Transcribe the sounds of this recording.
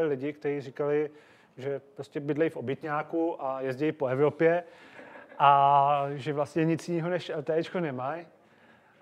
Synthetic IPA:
lɪlɪɟɪkt̪ɛɾiːrɪkalɪ | ʒɛpɾoscɛbɪdlɛjfobjɛt̪ɲaːkuʔajɛzɟɛjpo̞ɛvɾo̞pjɛ | ʔaʒɛvlast̪ɲɛɲɪt͡sjɪniːɦo̞nɛʃt̪ɛɛt͡ʃkonɛmaj

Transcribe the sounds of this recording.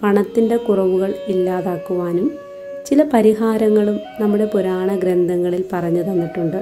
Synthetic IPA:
pɐɳɐt̪ːinde̞kurɐʋuɣɐɭilːaːðaːkːuʋaːnum | t͡ɕilɐpɐɾiɦaːɾɐŋːɐɭumnɐmːuɽe̞puɾaːɳɐɡɾend̪ʱɐŋːɐɭilpɐrɐɲːuðɐnːiʈːuɳɖɨ

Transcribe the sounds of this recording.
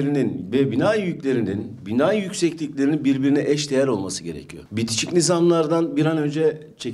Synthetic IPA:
ɾininvɛbinajjycʲlʲe̞ɾininbinajjycsɛclʲiclʲe̞ɾininbiɾbiɾinɛʔɛʃd̪e̞jæɾo̞lˠmasɯɟe̞ɾḛcʰijo̰bit̪ʰi̥t͡ʃʰicnizamlˠaɾd̪anbiɾanø̞nd͡ʒɛ | t͡ʃʰe

